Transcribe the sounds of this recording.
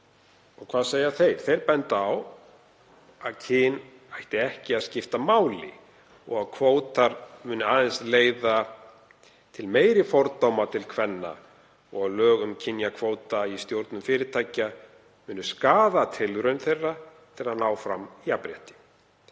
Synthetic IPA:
ɔɣkʰvaːðseːjaθejɾ̥θejɾpɛnt̪ːaw | aðcʰɪːn | ajht̪ɪɛhcɪaðscɪft̪amaːwlɪ̰ | ɔɣaðkʰvoːwt̪aɾmʏːnʏaːðɪnsleːjða | t̪ʰɪlmeːjɾɪfɔwɾt̪owmat̪ʰɪlkʰvɛnːa̰ | ɔɣaðlœːɣʏmcʰɪnjakʰvoːwt̪aist̪jowɾt̪nʏmfɪːɾɪt̪ʰaːjcːa | mʏːnːʏskaːðat̪ʰɪlvɾʏnθejrːa | t̪ʰɪlaðnaːwfɾamiapɾjɛ̰ht̪ɪ̥

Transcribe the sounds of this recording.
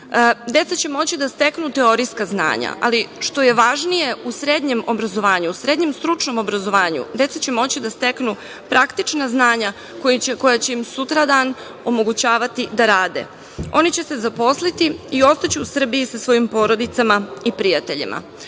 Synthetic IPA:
d̪e̞t̪sat͡ɕe̞mo̞t͡ɕid̪ast̪e̞knut̪e̞o̞ɾiskazna̰ːɲa̰ʔa̰liʃt̪o̞je̞ʋaʒnije̞usɾe̞d̪ɲe̞mo̞bɾazo̞ʋaːɲuːsɾe̞d̪ɲe̞mst̪ɾut͡ʂno̞mo̞bɾazo̞ʋaːɲṵd̪e̞t̪sat͡ɕe̞mo̞t͡ɕid̪ast̪e̞knu | pɾakt̪it͡ʃnaznaːɲa | koieko̞jat͡ɕe̞imsut̪ɾad̪aːn | o̞mo̞ɡut͡ɕaːʋat̪id̪aɾaːd̪e̞̰ | o̞nit͡ɕe̞se̞zapo̞slit̪iio̞st̪at͡ɕuːsr̩biisasʋo̞jimpo̞ɾo̞d̪it̪samaipɾijat̪e̞ʎḭma̰

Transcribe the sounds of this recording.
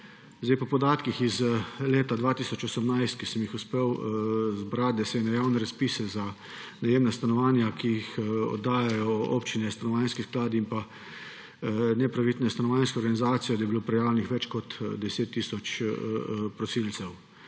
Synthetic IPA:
zd̪ajpɔpɔd̪aːt̪kixizleːt̪ad̪ʋaːt̪iːsɔt͡ʃɔsəmnajst̪̚kisəmjixuspeːwzbɾat̪̚d̪ɛsɛnɛjaːwnɛɾaspisɛza | najeːmnast̪anɔʋaːnjakijixɔ̰d̪ːaːjajɔo̰pt͡ʃinɛst̪anɔʋaːnskisklaːd̪impa | nɛpɾaʋit̪nɛst̪anɔʋaːjnskoɔɾɡanizaːt̪sijɔd̪ajbiloːpɾɛjaːwlʲɛnixʋɛt͡ʃkɔt̪d̪ɛseːt̪ːiːsɔt͡ʃ | pɾɔsilt̪sɛw

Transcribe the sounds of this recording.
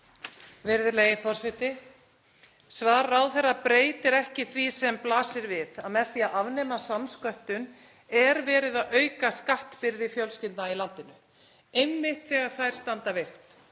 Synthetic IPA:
vɪɾðʏlejɪfɔr̥sɛht̪ɪ | svaːɾawθɛrːapɾeːjt̪ɪɾɛhcɪθvisɛmplaːsɪɾvɪðaðmɛθiaðavnɛːmasamskœht̪ʏn | ɛɾvɛːɾɪðaðœːɥkaskaht̪pɪɾðɪfjœlscɪnt̪nailant̪ɪnʏ | ejmːɪht̪θɛːɣaɾ̥θaðɛɾ̥st̪ant̪avɪxt̪

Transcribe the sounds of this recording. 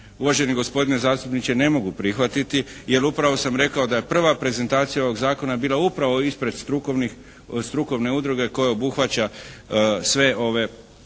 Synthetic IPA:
uʋaʒe̞niɡo̞spo̞d̪ine̞zaːst̪upnit͡ʃe̞ne̞mo̞ɡupɾixʋat̪it̪ije̞lupɾaʋo̞samɾe̞kao̞d̪aje̞pr̩ʋapɾe̞ze̞nt̪aːt̪sijao̞ʋo̞ɡzaːko̞nabiːlˠaupɾaʋo̞ispɾe̞d̪st̪ɾukni | st̪ɾuko̞ʋne̞ud̪ɾuɡe̞ko̞jao̞buxʋat͡ɕa | sʋe̞o̞ʋe̞

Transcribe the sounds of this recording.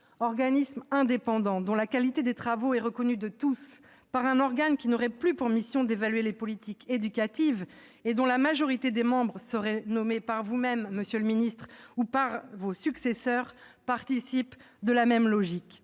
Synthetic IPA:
ɔʁɡanismɛ̃d̪epɑ̃d̪ɑ̃d̪ɔ̃lakalit̪ed̪et̪χavoɛʁəkɔnyd̪ət̪us | paʁɛ̃nɔʁɡankʲinɔʁɛplypuʁmisjɔ̃d̪evalɥelepɔlit̪iked̪ykat̪iv | ed̪ɔ̃lamaʒɔʁit̪ed̪emɑ̃bʁəsəʁɛnɔmepaʁvumɛmːəsjøləminist̪χupaʁvosyksesœʁ | paʁt̪isip | d̪əlamɛmlɔʒik

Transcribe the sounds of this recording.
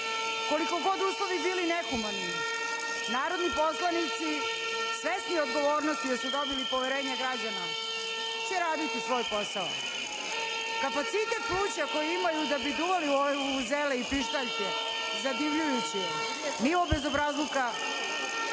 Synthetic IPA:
ko̞liko̞ɡo̞d̪uːslˠoʋibiːlinekumanːi | naːɾod̪nipo̞slˠanit̪si | sʋest̪niod̪ɡoʋo̞ːɾnost̪id̪asud̪obilipo̞ʋɛɾe̞ːɲaɡɾad͡ʑana | t͡ɕɛɾaːd̪it̪isʋo̞ːjpo̞sao̰ | kapat̪sit̪et̪̚pluːt͡ɕako̞jiimajud̪abid̪uʋaliuzeleipɾiʃt̪aʎke | zad̪iʋʎujut͡ɕijɛ | niʋobezobɾazlˠuka

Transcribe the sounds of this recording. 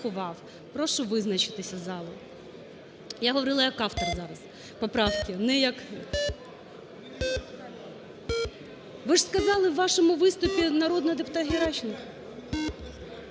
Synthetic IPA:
ʊʋɑw | pɾɔʃʊʋɪznɐt͡ʃɪ̥t̪ɪsʲɐzɑlˠʊ | jaɦɔʋɔɾɪlˠɐjɐkɑwt̪ɔrzɑɾɐz | pɔpɾɑwkʲɪnɛjɐk | ʋɪʐ̥skɐzɑlˠɪwːɑʃɔmʊʋɪst̪ʊpʲinɐɾɔd̪nɔɦɔd̪epʊt̪ɑt̪ɦʲiɾɑt͡ʃɪnkɐ

